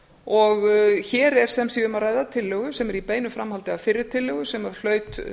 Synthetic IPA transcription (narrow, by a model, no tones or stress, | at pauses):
ɔɣçɛːɾɛɾ̥sɛmsiʏmaraːjðat̪ʰɪlːœɣʏsɛmɛɾipeːjnʏfɾamhalt̪ɪafɪɾːɪɾ̥t̪ʰɪlːœɣʏsɛmaɾl̥œːɥt̪